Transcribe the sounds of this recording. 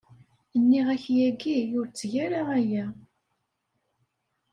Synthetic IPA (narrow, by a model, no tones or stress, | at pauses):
ənːiʁæçjæɡijʊɾt͡sːʝæɾaæjæ